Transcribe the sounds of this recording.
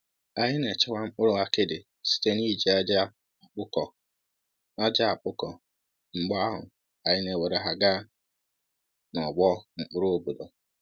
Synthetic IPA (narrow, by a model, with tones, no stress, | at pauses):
a˨ɦɪ˦ne˨t͡ʃɪ˦wa˦ŋ͡m̩˦k͡pʊ˦ɾʊ˦a˦kɪ˦dɪ˨ | si̥˦te˦ni˦d͡ʒi˨a˦d͡ʒa˦˨ | k͡pʊ˦kɔ˨ | a˦d͡ʒa˦a˨k͡pʊ˦kɔ˨ | ŋ͡m̩˨ɡ͡ba˦a˦ɦʊ̰˨ | a˨ɲɪ˦ne˨we˨ɾe˨ɦa˦ɡa˦ | nɔ˨ɡ͡bɔ˦ŋ͡m̩˨k͡pʊ˦ɾo˦o˦˨bu˨dɔ˨